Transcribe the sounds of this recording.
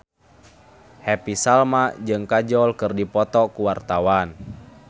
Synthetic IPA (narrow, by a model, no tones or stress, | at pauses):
hɛpisalmad͡ʒɨŋkad͡ʒɔlkɨrdipɔt̪ɔkuwart̪awan